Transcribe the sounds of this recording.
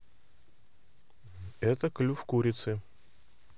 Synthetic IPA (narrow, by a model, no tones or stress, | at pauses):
ɛt̪əklʲufkuɾʲɪt̪sɨ